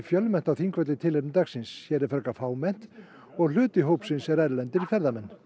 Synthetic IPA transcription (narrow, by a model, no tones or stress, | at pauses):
fjœlmɛn̥t̪awθiŋkvœt̪lɪt̪ʰɪleɾt̪aksɪnshçjɛɾɛɾfœɾkafaːwmɛn̥t̪ | ɔɣlʏːt̪ɪɦowpsɪnsɛɾɛɾlɛnt̪ɪɾifɛɾðamɛnː